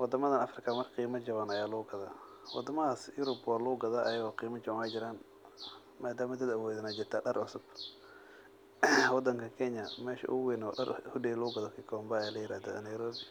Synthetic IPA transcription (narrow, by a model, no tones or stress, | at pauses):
wɑd̪ɐmɐðɐnɐfrɪkʰɐmɐrqiːmɐd͡ʒɐβɐnɐjaːluːɡɐðaː | wɑ̰d̪ɐmɐaːsjʊɾʊbwaːluːɡɐðaʔɐjɐɣɔqiːmɐd͡ʒɐβɐnɛjd͡ʒɪɾaːn | maːd̪aːmɐd̪ɐd̪ɐwɔːðɪnad͡ʒɪrt̪ʰaːɖɐrʔʊsʊb̥ | wɑd̪ɐŋkʰɐkʰɛɲɐmɛːʃɐ̰ʔʊ̰wiːnɔɖɐ̰rhʊɖɛluːɡɐðɔkʰikʰɔmbɐjaːlɐjɪɾaːðɔnɐjɾɔːbɪ